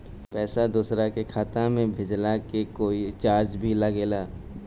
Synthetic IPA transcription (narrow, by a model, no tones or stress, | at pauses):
pɛːsad̪uːsɾakekʰaːt̪ãmẽbʱed͡ʒlakekoːit͡ʃaːɾt͡ʃbʱilaɡeːlaː